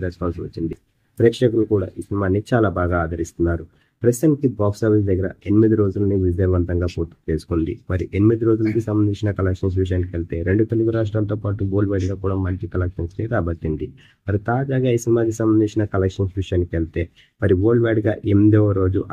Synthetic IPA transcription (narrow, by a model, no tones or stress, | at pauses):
d̪ɐskaːsʋɐt͡ʃːind̪i | pɾɛːkʂɐk̬ulukuːɽa̰ːʔiːsinimaːnit͡ʃaːlaːbaːɡaːd̪ʱɐɾist̪unːaːɾu | pɾɐst̪ɐnkibaːksɐɾʋis̬d̪ɐɡːɐɾɐenimid̪iɾo̞ːd͡ʒulɐniʋid͡ʒɐjʋɐnt̪ɐŋɡaːpoːɾʈi̥t͡ʃeːsu̥kond̪ḭmɐɾiʔenimid̪iɾo̞ːd͡ʒulɐkisɐmbɐnd̪iɲt͡ʃinɐkɐlɐkʂɐns̬ʋiʃ̬ɐjaːnkielit̪e̞ːɾe̞ɳɖut̪oluɡuɾaːʂ̬ʈɾaːnt̪o̞ːpaːʈuɡoːlɖʋaːɖɡaːkuːɽaːmɐlt͡ʃikɐlɐkʂɐnsʈeːɾaːbɐʈ̪ːind̪i | mɐɾit̪aːd͡ʒaːɡaːiːsinimaːk̬isɐmbɐnd̪iɲt͡ʃinɐkɐlɐkʂɐnsʋiʂɐjaːnikelit̪e̞ː | mɐɾiʋoːɖʋaːɖɡaːʔemd̪ɛʋɐɾo̞ːd͡ʒuʔ